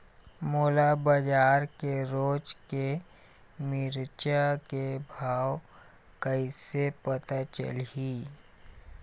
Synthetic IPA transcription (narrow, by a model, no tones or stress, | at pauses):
moːlabəd͡ʒaːɾkeɾoːd͡ʒke | mɪɾt͡ʃakebʱaːw | kəisepət̪at͡ʃə̰lɦiː